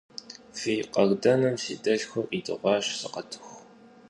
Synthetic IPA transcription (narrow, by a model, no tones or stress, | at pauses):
fiːqʼɐɣdʼɐnɨmsḭːtʼɐɮxʷɐrʔitʼɨ̰ʁʷɑːɕsɨqʼɐtʰɨ̥xʷ